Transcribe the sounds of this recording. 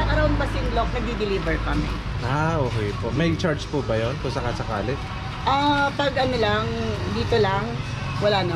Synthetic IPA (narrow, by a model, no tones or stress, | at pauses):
ɐŋɐɾɐwɐnbɐsɪnlok̚nɐɡ̚d̪id̪ɪliːbɛɹkɐmɛ̰ | ʔaʔoːkɛjpoʔmɐjt͡ʃaɹd͡ʒpubɐjonkʊŋsɐkasɐka̰ːlɛt̪̚ | ʔɐpɐɡʔɐnolaŋd̪iːt̪olɐŋ | wɐlaːnɐ